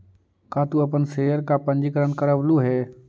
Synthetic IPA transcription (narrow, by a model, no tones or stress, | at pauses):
kaːt̪uɐp̬ənseːəɾkapə̃ɲd͡ʒikəɾənkəɾəʋluɦɛː